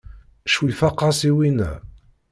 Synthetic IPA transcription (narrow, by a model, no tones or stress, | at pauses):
ʃwifɑqːɑsiwinæ̰